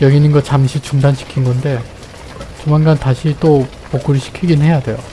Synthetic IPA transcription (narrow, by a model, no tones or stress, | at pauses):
jʌɡinɯnɡʌt͡ɕamɕʰit͡ɕuŋdant͡ɕi̥kʰinɡʌnde̞ | t͡ɕumanɡantaɕʰit͈o | pok͈uɾiɕʰi̥kʰiɡinhe̞jadwe̞jo